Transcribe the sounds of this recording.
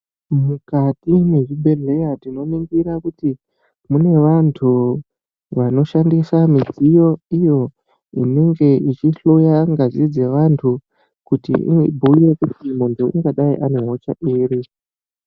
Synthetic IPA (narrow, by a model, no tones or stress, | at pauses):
mukatime̞ʐibʱe̞ɮe̞jatino̞miŋɡiɾakuti | mune̞ʋantʰu | ʋano̞ʃandisamid͡zijo̞ijo̞ | ḭne̞ŋɡe̞it͡ʃiɬojaŋɡazid͡zeʋantʰu | kutḭḭbʱuijekutimundʰoṵŋɡaɗaiʔaneɦot͡ʃaʔiːɾi